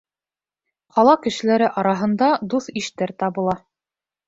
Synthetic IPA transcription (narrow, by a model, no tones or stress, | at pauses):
qɑlˠɑkɘ̆ʃɘ̆læɾɘʔɑɾɑɦɤ̆nd̪ɑd̪uθiʃt̪æɾt̪ɑβɤ̆lˠɑ